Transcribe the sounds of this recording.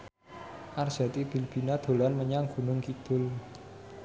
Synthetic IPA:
ʔard͡ʒ̥a̤t̪ib̥i̤lb̥i̤nad̪̥o̤lanməɲaŋɡ̥ṳnʊŋkid̪̥ʊl

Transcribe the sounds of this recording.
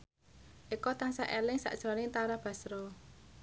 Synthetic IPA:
ʔikɔt̪aŋsaʔelɪŋsa̰ʔʒ̥ɾɔnɪŋt̪aɾab̥a̤sɾɔ

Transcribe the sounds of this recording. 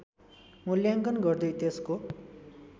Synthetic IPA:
muljaŋɡʌnɡʌrd̪ʌjt̪esko

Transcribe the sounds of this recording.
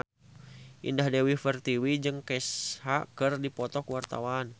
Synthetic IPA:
ʔḭndahdɛwifɛrt̪iwid͡ʒɨŋkɛshakɨrdipɔt̪ɔkuwart̪a̰wan

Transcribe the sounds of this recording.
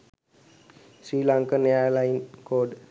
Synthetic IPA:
sɾiːlaŋkəneaɾlajinkoːɖ

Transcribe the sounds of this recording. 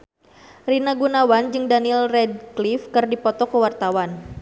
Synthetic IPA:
rinaɡunawand͡ʒɨŋdanilrɛd̚klifkɨrdipɔt̪ɔkəwart̪awan

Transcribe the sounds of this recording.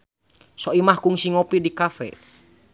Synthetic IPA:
soimahkuŋsiŋɔpidikafɛ̰

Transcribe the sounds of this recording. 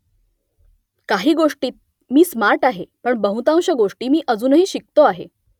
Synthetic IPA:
kaɦiːɡoʂʈiːt̪̚ | miːsmaɾʈaɦepəɳbəɦũt̪ãw̃ɕəɡoʂʈiːmiːʔəd͡zuːnəɦiːɕik̚t̪oaɦḛ

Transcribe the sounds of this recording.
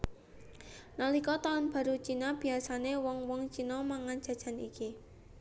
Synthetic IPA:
nalikɔt̪aʊnb̥ä̤ɾut͡ʃinab̥i̤asanewɔŋwɔŋt͡ʃinɔmaŋan̥d͡ʒ̥a̤d̥ʒ̥a̤nḭki

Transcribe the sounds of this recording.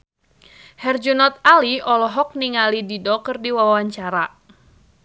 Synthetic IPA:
hɛrd͡ʒunɔt̪̚aliɔlɔɦɔk̚niŋalididɔkərdiwawaɲt͡ʃaɾa

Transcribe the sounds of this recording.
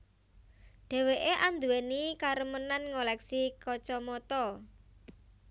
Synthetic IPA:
ɖ̥ɛ̤weʔeʔand̪uenikaɾəmənanŋolɛksikɔt͡ʃɔmɔt̪ɔ

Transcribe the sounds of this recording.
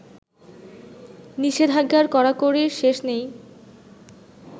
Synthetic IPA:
niʃed̪ʱaɡːaɾkɔɾakoɾiɾʃeʃnej

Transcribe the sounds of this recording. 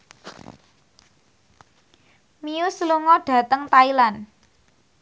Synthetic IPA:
miusluŋɔɖ̥a̤t̪əŋt̪ailan

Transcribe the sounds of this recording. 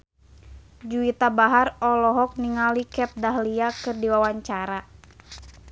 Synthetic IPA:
d͡ʒuit̪abaɦarɔlɔɦɔk̚niŋalikɛp̚daɦliakɨrdiwawaɲt͡ʃaɾa

